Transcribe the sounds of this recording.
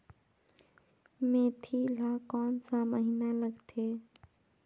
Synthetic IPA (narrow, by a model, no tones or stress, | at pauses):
meːt̪ʰilakɔːnsãməɦinaləɡt̪ʰe